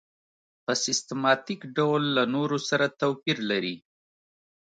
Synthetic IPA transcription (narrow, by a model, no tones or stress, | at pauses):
pəsɪst̪mɑt̪ikɖawlːanoɾosaɾat̪awpiɾlaɾi